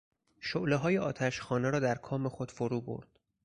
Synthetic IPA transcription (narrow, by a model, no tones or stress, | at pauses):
ʃoʔleɦɒːjeɒːt̪ʰæʃxɒːneɾɒːd̪æɾkʰɒːmexod̪̥foɾuːbo̰ɾd̪̥